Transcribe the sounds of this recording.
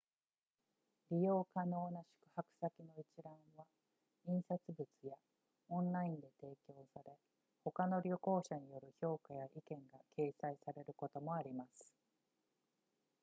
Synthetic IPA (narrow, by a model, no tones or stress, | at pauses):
ɾʲijo̞ːkano̞ːnaɕi̥kɯ̟̥hakɯ̟̥sakʲino̞it͡ɕiɾãβa | ĩɰ̃sat͡sɨbɯt͡sɨja | õ̞nɾaĩnd̪e̞t̪e̞ːkʲo̞ːsaɾe̞ | ho̞kano̞ɾʲoko̞ːɕaɲ̟ijo̞ɾɯ̟ço̞ːkajaʔikẽ̞ŋɡakʰe̞ːsaisaɾe̞ɾɯ̟ko̞t̪o̞mo̞aɾʲimasɨ̥